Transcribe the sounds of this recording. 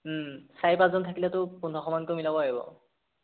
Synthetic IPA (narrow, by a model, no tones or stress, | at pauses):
saɛpãszɔntʰakilɛtʊpundʱɔxɔmankomilabɔaɡibɔ̰